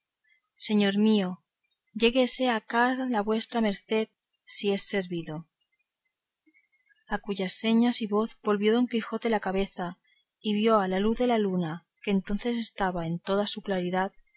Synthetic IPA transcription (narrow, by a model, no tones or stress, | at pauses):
se̞ɲo̞ɾmio̞ | ʎe̞ɣese̞akalaβwe̞st̪ɾame̞ɾθe̞ð | sie̞sːe̞ɾβiðo̞ | akuʝasːe̞ɲasiβo̞θbo̞lβjo̞ðo̞ŋkixo̞t̪e̞lakaβe̞θa | iβjo̞alaluθðe̞laluna | ke̞ːnt̪o̞n̟θe̞s̬e̞st̪aβae̞nt̪o̞ðasuklaɾiðað